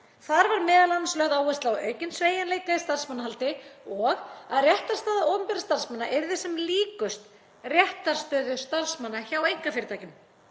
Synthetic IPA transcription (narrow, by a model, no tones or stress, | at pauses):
θaɾvaɾmɛːðalanslœɣðaːwvɛst̪lawœːɥcɪnsveːjanleːjkaðɪst̪ar̥smanːaɦalt̪ɪɔɣaðrjɛht̪aɾ̥st̪aːðaowmpɛɾast̪aɾ̥smanːaʔeɾðɪsɛmliːkʏst̪ | rjɛht̪aɾ̥st̪œːðʏst̪aɾsmanːaçawejŋ̥kafɪɾɪt̪aːjcʏm